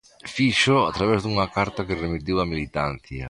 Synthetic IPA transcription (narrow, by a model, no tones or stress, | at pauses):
fiʃʊat̪ɾaβɛzd̪uŋɐkaɾt̪akɪremit̪iwɐmilit̪an̟θjɐ